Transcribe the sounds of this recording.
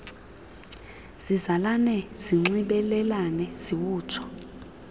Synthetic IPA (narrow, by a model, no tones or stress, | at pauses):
z̥izalanɛz̥iŋ͡ǀiɓɛlɛlanɛz̥iwuːt͡ʃʰɔ̥